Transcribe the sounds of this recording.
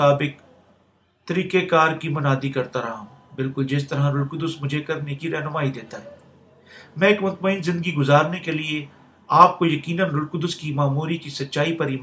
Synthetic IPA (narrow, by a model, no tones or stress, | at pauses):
aːbɪk̚ | t̪ɐɾiːkekaːɾkimɐnaːd̪ikɐɾt̪aɾɐɦãbɪlkʊld͡ʒɪst̪ɐɾaɾʊɾkʊd̪ʊsmʊd͡ʒʱekɐɾnekiɾɛɦnʊmaːid̪eːt̪aɦɛː | mɛ̃ːeːkmʊt̪məɪnzɪ̃nd̪əɡiɡʊzaːɾnekelie | aːp̚kojɐkiːnənɾʊɾkʊd̪ʊskimaːmuːɾikisɐtːʃaːipɐɾiːm